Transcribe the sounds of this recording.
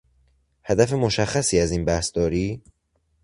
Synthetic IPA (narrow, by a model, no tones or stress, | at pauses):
hæd̪æfemoʃæxːæsiːæziːnbæhsd̪̥ɒːɾiː